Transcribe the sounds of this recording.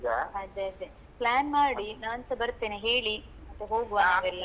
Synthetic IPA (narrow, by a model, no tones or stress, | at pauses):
ɡɐɐd̪ːeɐd̪e | plaːnmaːɽinaːnsɐbɐɾt̪ːeːneɦeːɭimɐt̪ːeɦoːɡuʋaʋɐɾlːa